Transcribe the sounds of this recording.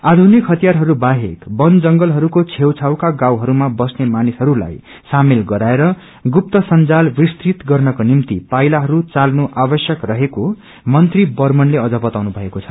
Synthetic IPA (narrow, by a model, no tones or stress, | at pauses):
ad̪ʱunikɦʌt̪ijarɦʌɾubaɦekbʌnd͡zʌŋɡʌlɦʌɾukot͡sʰewt͡sʰawkaɡawɦʌɾumabʌsnemanisɦʌɾula̰j | samilɡʌɾaeɾʌ | ɡup̚t̪ʌsʌnd͡zalbist̪rit̪ɡʌrnʌkonimt̪ipajlaɦʌɾut͡salnuʔabʌsjʌkrʌɦeko | mʌnt̪ribʌrmʌnleʌd͡zʌbʌt̪awnubʱʌekot͡sʰʌ̥